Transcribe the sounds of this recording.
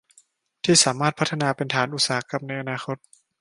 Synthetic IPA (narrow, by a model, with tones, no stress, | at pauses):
t̪ʰiː˥˩saː˩˦maː˥˩t̪̚pʰa˦˥t̪ʰːa˧naː˧pe˧nt̪ʰaː˩˦nʔu˧˩t̪saː˨˩˦a˦˥ka˧mna˧jʔa˧naː˧xʰo˦˥t̪̚